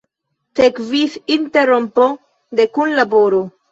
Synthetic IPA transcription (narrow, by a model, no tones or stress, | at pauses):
t̪ekvifint̪eɾompo | d̪ekunlaboɾo